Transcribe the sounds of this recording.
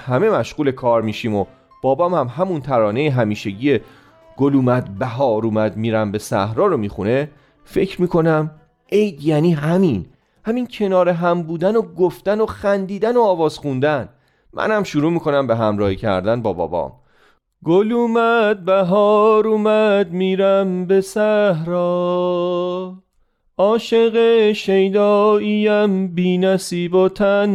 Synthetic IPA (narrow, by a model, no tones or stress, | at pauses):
hæme̞mæʃɣuːle̞kʰɒːɾmiːʃiːmo | b̥ɒːbɒːmhæmɦæmunt̪ʰæɾɒːne̞jeɦæmiːʃeɟiːje | ɡ̥oluːmæd̪̚bæɦɒːɾuːmæd̪miːɾæmbe̞sæ̰hɾɒːɾomiːxune | fe̞cʰɾmiːkʰo̞næm | ʔe̞jd̪jæniːɦæmin | hæmiːncʰe̞nɒːɾeɦæmbuːd̪ænoɡoft̪æno̞xænd̪iːd̪ænoːvɒːz̥xund̪æn | mʔæ̰nhæmʃuɾuːmiːkʰo̞næmbeɦæmɾɒːhicʰæ̰ɾd̪ænbɒ̰ːbɒ̰ːbɒ̰ːm | ɡoluːmæd̪̚bæɦɒːɾuːmæd̪̚miːɾæmbe̞sæhɾɒː | ɒːʃe̞ɣeʃejd̪ɒːijæmbiːnæsiːboːt̪ʰæn